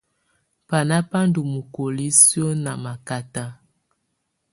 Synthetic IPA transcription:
pa˨na˦pa˦ndu˨mu˨ko˨li˦sjo˦na˨ma˨ka˨ta˦

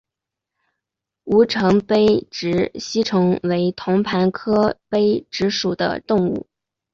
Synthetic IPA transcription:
u˧˥ʈ͡ʂʰɤ˧˥ŋpe˥ɪʈ͡ʂɻ̩˧˥ɕi˥ʈ͡ʂʰɤ˧˥ŋwe˧˥ɪt̪ʰʊ˧˥ŋpʰa˧˥nkʰɤ˥pe˥ɪʈ͡ʂɻ̩˧˥ʂu˨˩d̪ə̰˦t̪ʊ˥˧ŋṵ˥˩

